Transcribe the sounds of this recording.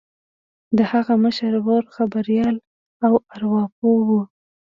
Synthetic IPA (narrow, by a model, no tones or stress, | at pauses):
d̪əhaɣaməʃaɾwoɾxabaɾijɑl | awaɾwɑp̚owu